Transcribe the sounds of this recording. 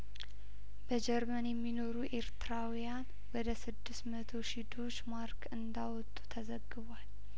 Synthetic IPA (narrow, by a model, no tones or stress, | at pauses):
b̥əd͡ʒɛɾmənjɛmːino̞ɾuʔe̞ɾt̪ʰɨɾawijan | wɔd̪əsɨd̪ːɨst̪mət̪ʰo̞ʃid̪o̞t͡ʃːmaɾkʰɨnd̪awɔt̪ʼːu̥t̪ʰəzəɡːɨβwal